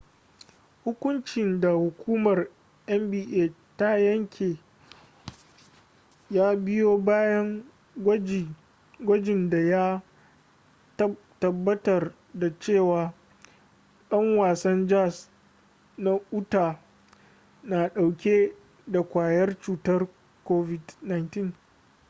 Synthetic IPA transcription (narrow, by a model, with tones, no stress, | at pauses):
hʊ˦kʷʊ˦nt͡ʃɪ˨nda˨hʊ˨kʷʰuː˦mɐ˨r | ʔɛ˦mbiː˦˨ʔeː˦˨ | ta˦jɐ˦ŋkʲʰeː˨ | jaː˦bɪ˦joː˦baː˦jɐ˦ŋ˨ | ɡʷɐ˦d͡ʒɪ˨nda˨ja˦ | tɐ˨bːɐ˦tɐ˨r | da˨t͡ʃeː˦˨waː˨ | ɗɐ˦ŋwaː˨sɐ˦nd͡ʒa˦s | na˦ʔʊ˦taː˨ | naː˨ɗa˨wkʲeː˦ | da˨kʷaː˨jɐ˦rt͡ʃuː˨tɐ˦r | koː˦vɪ˨dna˨jntɪ˦ŋ